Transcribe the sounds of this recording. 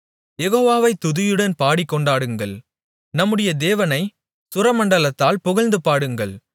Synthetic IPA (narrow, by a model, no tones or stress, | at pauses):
jɛɣoːʋaːʋɐɪt̪ːʊðɯjɯɽɐnpaːɽɪkːɔɳɖaːɽɯŋɡɐɭ | nɐmːɯɽɐjɐd̪eːʋɐnɐɪ | sʊɾɐmɐɳɖɐlɐt̪ːaːlpʊɣɐlnd̪ɯpaːɽɯŋɡɐɭ